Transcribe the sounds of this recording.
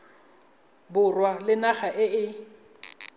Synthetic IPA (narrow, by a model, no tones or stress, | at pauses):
bʊrwalɪnaχaʔɪɪ